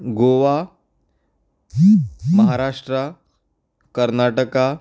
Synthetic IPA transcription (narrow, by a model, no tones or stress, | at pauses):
ɡoʋa | məɦaɾaʂʈɾə | kəɾnaʈəka